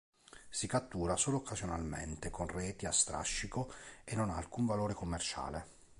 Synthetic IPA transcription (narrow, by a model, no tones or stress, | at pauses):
sikat̪ːuːɾasoːloːkʰːazjonalmḛnt̪ekonrɛːt̪iast̪ɾa̰ʃːikoenːonaːlkuɱvaloːɾekomːert͡ʃa̰ːle